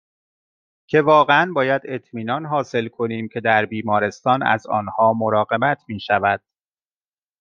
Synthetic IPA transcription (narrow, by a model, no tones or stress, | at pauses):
cʰe̞vɒːɣeænbɒːjæd̪e̞t̪ʰmiːnɒːnɦɒːse̞lkʰo̞niːmcʰe̞d̪æɾbiːmɒːɾe̞st̪ɒːnæ̰zɒ̰ːnhɒːmo̞ɾɒːɣe̞bæt̪ʰmiːʃævæd̪̥̚